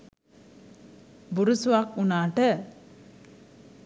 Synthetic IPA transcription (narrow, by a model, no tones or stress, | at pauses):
buɾusuakunaːʈə